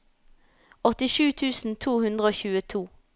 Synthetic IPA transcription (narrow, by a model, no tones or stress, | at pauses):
ɔt̪ɪʃʉːt̪ʰʉːsn̩t̪ʰuːhʉnd̪ʁəoːçʉːət̪ʰuː